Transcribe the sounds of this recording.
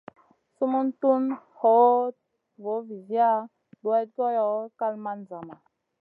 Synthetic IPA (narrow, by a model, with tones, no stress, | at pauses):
su˦mu˦ntu˦nho˨˦ | vo˨˦vi˨zi˦a˦ | ɗwa˦t̚ko˦jɔ˨˦ka˦lma˦n˨za˨ma˨